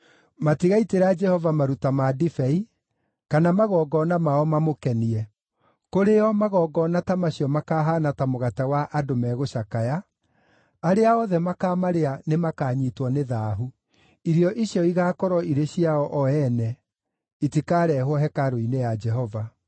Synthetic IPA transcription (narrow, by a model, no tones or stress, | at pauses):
matiɣaiteɾad͡ʒɛhɔvamaɾutamadifɛi | kanamaɣɔɡɔnamaɔmamokɛniɛ | koɾeɔmaɣɔɡɔnatamaɕiɔmakaːɦaːnatamoɣatawaʔadomɛːɣoʃakajaː | ɾeaɔðɛmakaːmaɾeanemakaːɲitwɔneðaːɦu | iɾiɔʔiɕjɔiɣaːkɔɾɔiɾeɕiaɔʔɔɛnɛ | itikaɾɛɦwɔɦɛkaɾoinejad͡ʒɛɦɔva